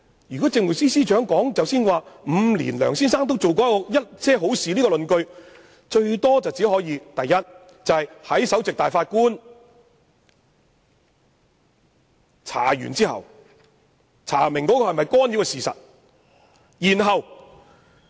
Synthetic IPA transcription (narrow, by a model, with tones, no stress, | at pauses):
jy˨˩kɔː˨˥t͡sɪ˧ŋwu˨˩siː˥siː˥t͡ʃœː˨˥ŋkɔː˨˥ŋt͡sɐ˨wsiː˥nwaː˨˧m̩˨˧lḭː˨˩nlœ̰ː˨˩ŋsiː˥nsaː˥ŋt̪o˥wt͡so˨wk̬ɔː˨˥kɔ˧jɐ˥t̚t͡sʰɛː˥ɦo˨˥wsiː˨liː˥kɔ˧lɵ˨˧nkɵ˧ɥ | t͡ʃɵ˧ɥt̪ɔː˥t͡sɐ˨wt͡siː˨˥hɔː˨˥jiː˨˧t̪ɐ˨jːɐ˥t̚ | t͡sɐ˨whɐ˨jhɐ˨˥jsɐ˨˥wt͡sɪ˨k̚t̪aː˨jfaː˧t̚kuː˥n | t͡sʰa̰ː˨˩jy̰˨˩nt͡siː˥ɦɐ̰˨˩w | t͡sʰa̰ː˨˩mɪ˨˩ŋkɔː˨˦˥kɔː˧hɐ˨jmɐ˨jkɔː˥nji˨˥wkɛ˧siː˨sɐ̰˨t̚ | jiː˨˩nɦɐ˨w